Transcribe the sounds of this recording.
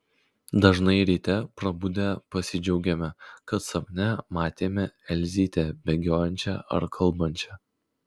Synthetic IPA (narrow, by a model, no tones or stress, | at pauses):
d̪ɐʒnɐɪɾʲiːt̪ʲɛpɾɐbud̪ʲɛpɐsʲɪd͡ʒʲɛʊɡʲɛmʲɛkɐt̪sɐmʲnʲɛmɑːt̪ʲeːmʲɛɛlʲzʲiːt̪ʲɛbʲɛɡʲoːjɛnʲt͡ʃʲɛ̰ɐ̰ɾkʰɐlˠˑbɐnʲt͡ʃʲɛ